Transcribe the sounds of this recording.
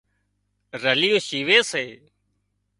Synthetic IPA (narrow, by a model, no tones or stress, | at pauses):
ɾəlijoːʃiːʋeːseː